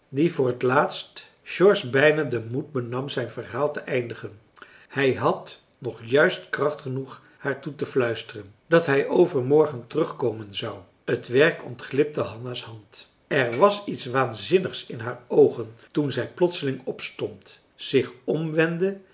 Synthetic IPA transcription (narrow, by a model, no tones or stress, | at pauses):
divʊːɹɦətlaːtst | ʃɔɹsbɛjnadəmud̚bənɑmzɛjnvəɹɦaːlˠtəʔɛjndəχən | hɛjɦɑt | nɔχjœɥstkrɑχtχənuχ | haːɹtutəflœɥstərən | dɑtɦɛjʔowvəɹmɔɹχəntərɵχkoːmənzɑw | ətʋɛɹkɔ̰ntχlɪp̚təɦɑnashɑnt | ɛɹʋɑsitsʋaːnzɪnəχsɪnɦaːɹowχəntunzɛjplɔtsəlɪŋɔpstɔnt | z̥ɪχɔmʋɛndə